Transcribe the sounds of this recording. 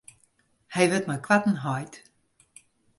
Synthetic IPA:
hɛjʋɪtmajkʰwatn̩ɦɔjt

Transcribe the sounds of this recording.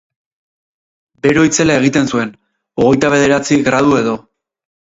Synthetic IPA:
be̞ɾo̞it͡se̞lae̞ɣ̞it̪e̞nsue̞n | o̞ɣ̞e̞jt̪aβ̞e̞ðe̞ɾat͡siɣɾað̞ue̞ðo̞

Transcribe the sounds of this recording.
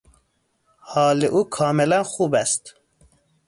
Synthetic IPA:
hɑːleʔuːkʰɑːmelænxuːbæst̪

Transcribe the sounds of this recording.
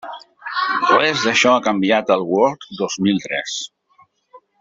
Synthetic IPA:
wezðəʃɔakəmbiat̪əlˠɣwɔɾt̪d̪ɔzmilˠt̪ɾɛ̰s

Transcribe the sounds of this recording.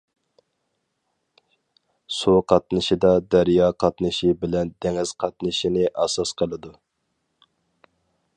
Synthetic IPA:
suqʰɑt̪̚nɨʃid̪ɑd̪æɾjɑqʰɑt̪nɨʃibɪlɛnd̪ɛŋɪz̥qʰɑt̪̚nɨʃinɪʔɑsɑsqʰəlˠɨd̪u

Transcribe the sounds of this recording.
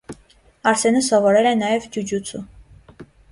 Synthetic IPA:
ɑɾsɛnəsɔvɔɾɛlɛnɑjɛvd͡ʒud͡ʒut͡sʰu

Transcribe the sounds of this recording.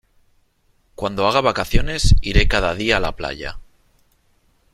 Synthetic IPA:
kwand̪o̞aɣ̞aβakaθjo̞ne̞siɾe̞kaðað̞iaːlapla̰ʎa̰

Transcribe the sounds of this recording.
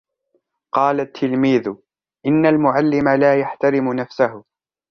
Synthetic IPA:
qɑːlat̪ʰːɪlmiːðʊ | ʔɪnːalmʊʕalːɪmalaːjaħt̪aɾɪmʊnafsahʊ

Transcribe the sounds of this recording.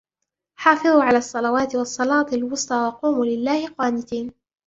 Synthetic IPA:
ħɑːfɨðˤuːʕalaːʔɑsˤːɑlawaːt̪ɪwɑsˤːɑlɑːt̪ɪlwʊsˤt̪ˤɑːwɑquːmuːlɪlːaːhɪqɑːnɪt̪iːn

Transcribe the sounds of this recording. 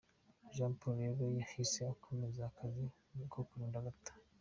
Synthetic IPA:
ʒãːmpuɾeɡojahiseakʰo̞mezaːkʰazi | kʰokuɾiːndaɡatḁ

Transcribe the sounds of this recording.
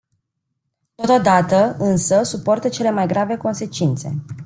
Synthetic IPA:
t̪o̞t̪od̪at̪əɨnsəsupo̞rt̪ət͡ʃe̞le̞majɡɾave̞ko̞nse̞t͡ʃint̪se̞̰

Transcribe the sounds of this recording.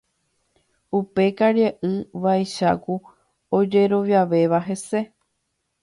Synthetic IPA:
upe̞kaɾjeʔɨʋajʃaku | od͡ʒe̞ɾo̞ʋjaʋe̞ʋaɦe̞se̞

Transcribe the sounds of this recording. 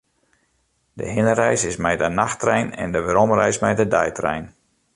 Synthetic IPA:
də̰ɦɪnəɾɛjsɪsmɛjdənaxtrɛjnɛ̰ndəʋəɾomrɛ̰jsmɛjdədɛjtrɛ̰jn

